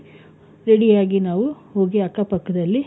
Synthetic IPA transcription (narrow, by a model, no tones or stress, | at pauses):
ɾeɽijaːɡinaːʋuho̞ːɡiɐkːɐpɐkːɐd̪ɐlːi